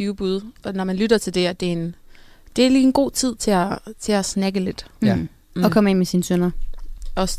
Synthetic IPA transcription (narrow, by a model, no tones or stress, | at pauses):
yːʊb̥uð̞ˠʔɒ̽nɒmænlyɾɐt͡sʰe̝ld̥e̝æd̥e̝en | d̥e̝æɐliːenɡ̥o̝̰ːt͡sʰið̞̰ˠt͡sʰe̝æt͡sʰe̝æsnæɡ̥əle̝d̥ | ɒ̽kʰɒ̽me̝n̰mesinsønɐɒ̽s